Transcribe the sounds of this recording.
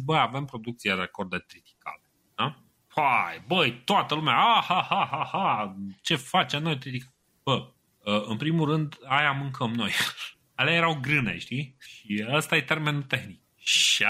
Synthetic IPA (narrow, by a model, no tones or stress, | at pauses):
bəjave̞mpɾo̞d̪uk̚t̪siaɾeko̞rd̪et̪ɾit̪i̥ka̰lea | fajbəjt̪oat̪əlumeaahahaɦahat͡ʃe̞fat͡ʃe̞mnojt̪ɾit̪ika | b̥ə | əɨnpɾimulrɨnd̪ajamɨŋkʰəmno̞j | aleajeɾawɡɾɨnḛʃt̪iʃiəst̪aje̞t̪e̞rme̞nut̪e̞xnik̚ | ʃia